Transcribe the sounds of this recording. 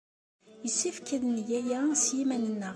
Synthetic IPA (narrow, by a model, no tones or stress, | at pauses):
jəsːifkəðənʝæjæsjimænənːə